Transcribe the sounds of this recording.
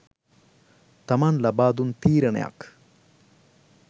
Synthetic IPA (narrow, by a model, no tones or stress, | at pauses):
t̪ɐmaːnlɐbaːd̪unt̪iːɾɐɳḛja̰k